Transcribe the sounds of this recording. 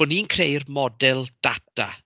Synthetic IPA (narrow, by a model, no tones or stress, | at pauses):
ʊniːnkʰrejrmɔdɛlˠd̥atʰa̰